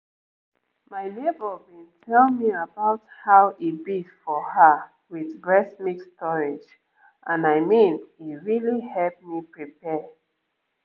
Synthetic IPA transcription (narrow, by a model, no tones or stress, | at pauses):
maɪnebəbĩntʰɛlmiəbaʊthaʊʔibifɔhə | wiðɹɛsmikstʰɔɹed͡ʒ | ʔãnaɪmĩniɹilihɛlp̚mipɹipɛ